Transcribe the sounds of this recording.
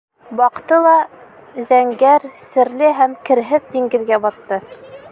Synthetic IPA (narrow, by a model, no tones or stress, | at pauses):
bɑqt̪ɤlˠɑ | zæŋɡæɾsɘ̆ɾlɘɦæmkɘ̆ɾɦɘðd̪iŋɡɘ̆ðɡæbɑt̪ːɤ